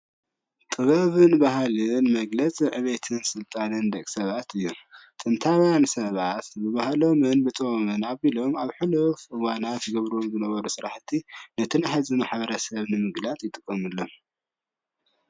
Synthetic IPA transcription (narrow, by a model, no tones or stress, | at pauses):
t̪ʼɨβɐβɨnbahalɨnmɐɡlɐt͡sʼiʕɨβet̪ʰɨnsɨlt̪ʼanɨnd̪ɐkʼsɐβat̪ʰɨjːut̪ʼɨnt̪ʰawjansɐβat̪bɨβahlo̞mɨnbɨt̪ʼomɨnaβilo̞maβħulofɨwanat̪ɡɐβɾomzɨnɐβɐɾusɨɾaħt̪ʰinɐt̪ʰɨnħazimaħbɐɾɐsɐβnɨmɨɡlat͡sʼjɪt̪ʼɨkʼːɐmɨlːom